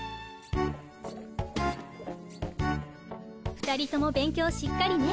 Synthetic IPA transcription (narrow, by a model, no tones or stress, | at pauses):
ɸɯ̟̥t̪aɾʲit̪o̞mo̞bẽ̞ŋkʲo̞ːɕikːaɾʲiɲi